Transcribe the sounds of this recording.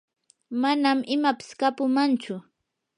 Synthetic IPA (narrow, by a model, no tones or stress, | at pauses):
manamʔɪmapɪ̥skapʊmant͡ʃʊ